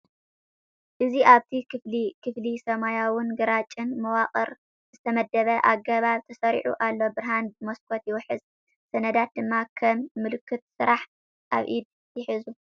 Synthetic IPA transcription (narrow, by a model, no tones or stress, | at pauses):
ʔɨziʔaβt̪ʰikʰɨflikʰɨflisɐmajawʊnɡɨɾat͡ʃʼɨnmɐwaχʼɐɾ | zɨt̪ʰɐmɐd̪ːɐβɐʔa̰ɡɐβaβt̪ʰɐsɐɾḭʕṵʔalːo̞bɨɾɦanbɨmoskʰot̪jɪwħɨz | sɐnɐd̪at̪̚d̪ɨmːakʰɐmːɨlɨkʰːɨt̪̚sɨɾaħ | ʔaβʔid̪̚ | jɪħɨzu